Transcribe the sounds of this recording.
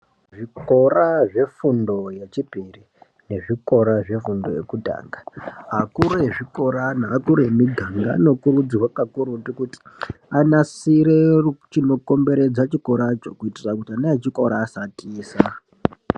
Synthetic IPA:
ʐiko̞raʐe̞fundo̞jet͡ʃipiri | ne̞ʐiko̞ɾaʐe̞fundo̞̰jḛkuta̰ːŋɡaɦakuɾoeʐiko̞ɾanaːkuɾeemiɡʱaŋɡa̰no̞kurud͡zirwakakuɾutikuti̥anasiɾet͡ʃino̞ko̞mbe̞ɾe̞d͡zat͡ʃiko̞ɾat͡ʃokuitirakutianaet͡ʃiko̞ɾaːsatiːsa

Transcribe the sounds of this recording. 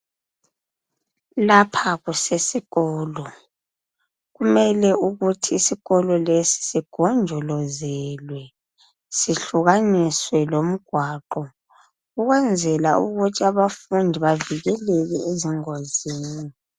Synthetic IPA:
lapʰaɣusesiɣɔːlɔ | ɣumɛlɛuɣutʰiːsiɣɔlɔlesi̥siɡ̥ʱɔnd͡ʒʱɔlɔzɛlwɛ | siɬuɣaniswɛlom̩ɡ̥ʱwaːǃɔ | ɣuɣwɛnd͡zʱɛlaṵɣutʰiaβafundʱiβaviɣɛlɛɣɛeziŋoziːni

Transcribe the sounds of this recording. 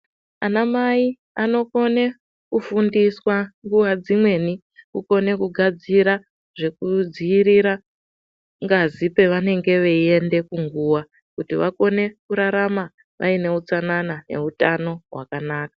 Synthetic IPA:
anamai | ano̞ko̞ne | kufundiswaŋɡuʋad͡zimwe̞ni | kuko̞ne̞kuɡʱad͡ziɾa | ʐ̥e̞kud͡ziiɾiɾa | ŋɡazipe̞ʋane̞ŋɡe̞ʋe̞ie̞nde̞kuŋɡuːʋa | kutiʋako̞ne̞kuɾaɾama | ʋʔa̰ine̞ut͡sananane̞̰utano̞ɦwa̰kanaːkḁ

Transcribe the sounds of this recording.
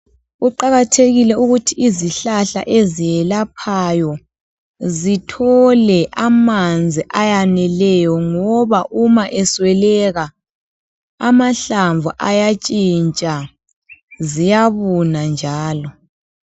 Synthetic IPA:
ɣuǃaɣatʰeɣilɛuɣutʰiiziɬaɬa̰ʔezijɛlapʰajɔ | zitʰɔlɛʔamand͡zʱiʔajanɛlɛjɔŋɔβaʔumaʔɛswɛlɛɣa | amaɬaɱvʱuʔajat͡ʃʼint͡ʃʼa | zijaβunand͡ʒʱaːlɔ

